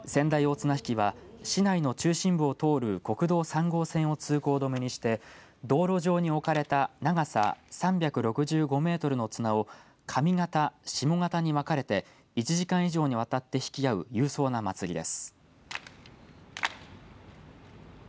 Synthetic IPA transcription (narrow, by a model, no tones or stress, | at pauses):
sẽ̞nd̪aio̞t͡sɨnaçi̥kʲiβaɕinaino̞t͡ɕɨːɕĩmbɯ̟ot̪o̞ːɾɯ̟ko̞kɯ̟d̪o̞ːsãŋɡo̞ːsẽ̞ɰ̃o̞t͡sɨːko̞ːd̪o̞meɲ̟iɕi̥t̪e̞ | d̪o̞ːɾo̞ʑo̞ːɲ̟io̞kaɾe̞t̪anaɡasa̰sãmbʲakɯ̟ɾo̞kɯ̟ʑɨːɡo̞me̞ːt̪o̞ɾɯ̟no̞t͡sɨnao | kʰamʲiŋat̪aɕimo̞ŋat̪aɲ̟iβakaɾe̞t̪e̞ | it͡ɕiʑikãɰ̃iʑo̞ːɲ̟iβat̪at̪ːe̞çi̥kʲijaɯ̟̰jɯ̟ːso̞ːnamat͡sɨɾʲḭd̪e̞̰sɨ̥